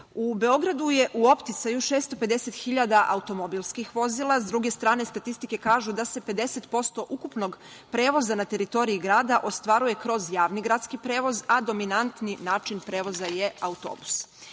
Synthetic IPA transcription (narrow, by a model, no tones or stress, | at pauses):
ube̞o̞ɡɾad̪uje̞ʔuo̞pt̪it̪sajuʃeːst̪o̞pe̞d̪e̞se̞t̪xiʎad̪aʔaut̪o̞mo̞bilˠskixʋo̞zilˠazd̪ɾuɡe̞st̪ɾaːne̞st̪at̪ist̪ike̞kaːʒud̪ase̞pe̞d̪e̞se̞t̪po̞st̪o̞ʔukupno̞ɡ | pɾe̞ːʋo̞zanat̪e̞ɾit̪o̞ɾiiɡɾaːd̪aʔo̞st̪ʋaɾuje̞kɾo̞zjaːʋniɡɾat̪skipɾe̞ːʋo̞zad̪o̞minant̪ninaːt͡ʃinpɾe̞ːʋo̞zaje̞aut̪o̰ːbu̥s